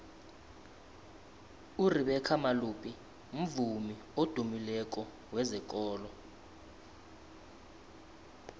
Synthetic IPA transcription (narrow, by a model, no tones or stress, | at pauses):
uriɓɛkʰamaluːpʼi | m̩vumi | od̥ʱumilɛk̬ʼɔ | wɛzɛkʼɔːlɔ